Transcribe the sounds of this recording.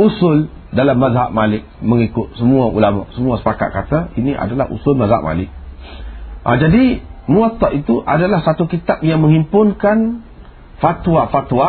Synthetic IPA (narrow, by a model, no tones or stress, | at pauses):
usʊl | dalamːazɦa̰ʔ̚malɪk̚məŋikʊt̪̚səmuaulamɔ̰ʔsəmũasə̥paka̰t̪̚kat̪ainiʔa̰dala̰hʔṵsʊlmazɦa̰ʔ̚ma̰lɪk̚ | ʔa̰d͡ʒadimũat̪ɔʔit̪uʔadalahsat̪ukit̪ap̚jaŋmə̃ŋimpʊnkan | fat̪wafat̪wa